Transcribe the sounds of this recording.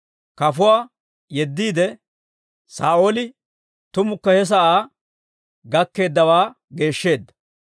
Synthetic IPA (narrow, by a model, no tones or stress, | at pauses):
kɐfʊwaː | jɛd̪ːiːd̪ɛ | saːʔo̞ːlɪ | t̪ʊmʊkːɐhɛs̬ɐʔaː | ɡɐkːe̞ːd̪ːɐwaː | ɡe̞ːʃːe̞ːd̪ːɐ̥